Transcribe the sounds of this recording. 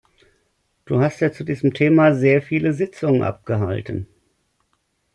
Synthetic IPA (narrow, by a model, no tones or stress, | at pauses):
d̥ṵːhastjaːt͡sudiːzəmtʰeːmazeːɐfiːləzɪt͡sʊŋənʔa̰p̚ɡ̥əɦa̰ltən̩